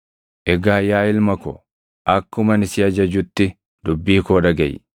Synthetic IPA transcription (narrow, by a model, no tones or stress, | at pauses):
ʔɛɡaːjaːɪlmɐkɔ̰ | ʔɐkːʊmɐnɪsɪɐd͡ʒɐd͡ʒʊt̪ːɪ | d̪̥ʊbːiːkoːᶑɐɡɐ̰j